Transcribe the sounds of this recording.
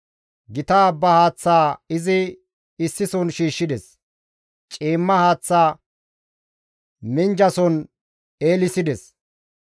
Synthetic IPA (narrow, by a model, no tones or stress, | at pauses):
ɡɪt̪aːbːɐhaːt͡sːaːɪzɪː | sːɪsɔnʃiːʃːɪd̪ɛs | t͡ʃʼiːmːɐhaːt͡sːaː | mɪnd͡ʒɐsɔn | e̞ːlɪsɪd̪ɛs